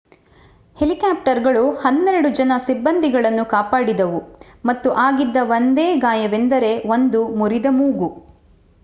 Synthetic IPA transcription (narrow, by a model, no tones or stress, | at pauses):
helikaːp̚ʈɐɾɡɐɭuhɐnːɛɾɐɽud͡ʒɐnɐsibːɐnd̪iɡɐɭɐnːukaːpaːɽid̪ɐʋu | mɐt̪ːuʔaːɡid̪ːɐʋond̪eːɡaːjɐʋend̪ɐɾe̞ʋond̪umuɾid̪ɐmuːɡu